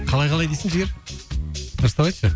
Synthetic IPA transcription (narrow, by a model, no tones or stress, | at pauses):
qʰɑlˠɑjqʰɑlˠɑjd̪ejsɪŋʒɪɡʲeɾ | t̪ʰəɾəst̪ɑbɑjt̪ʃə